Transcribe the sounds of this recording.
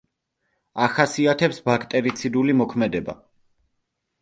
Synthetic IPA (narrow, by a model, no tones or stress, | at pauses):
aχasiat̪ʰɛpsbakʰt̪ʼɛɾit̪sʰid̪ulimɔkʰmɛd̪ɛba̰